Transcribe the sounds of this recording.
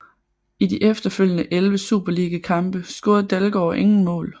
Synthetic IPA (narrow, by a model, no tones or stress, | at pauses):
idiʔefd̥ɐføljənəʔelʋəsṵːb̥ɐliɡ̥əkʰɑ̈mb̥əsɡ̥oːɐð̩ˠd̥ælɡ̥ɒːʔe̝ŋn̩mɔ̰̽ːl